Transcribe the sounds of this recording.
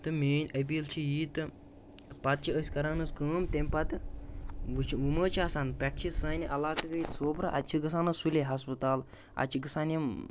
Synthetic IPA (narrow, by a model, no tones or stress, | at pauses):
t̪ɨmʲeːnʲəbʲilt͡ʃʰijiːt̪ɨ | pɐt̪̚t͡ʃʰiəsʲkɐɾaːnɐskəːmt̪emʲpɐt̪ɨ | ʋut͡ʃʰʋuməːt͡ʃʰiaːsanpʲɛʈ̚ʰt͡ʃʰisɐːnʲʔɐlaːkɐkɐjit̪soːbɾɨʔɐ̰t̪̚t͡ʃʰiɡɐs̬aːnɐsulʲeɦɐspɨt̪aːl | ɐ̰t͡ʃʰiɡɐsaːnʲim